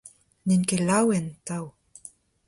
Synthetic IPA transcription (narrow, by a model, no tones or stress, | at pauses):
ninkelawent̪aw